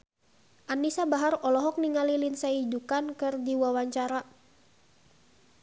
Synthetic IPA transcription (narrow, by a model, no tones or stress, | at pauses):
ʔanisabaɦaɾɔlɔɦɔk̚niŋalilinsaidukankɨrdiwawaɲt͡ʃaɾa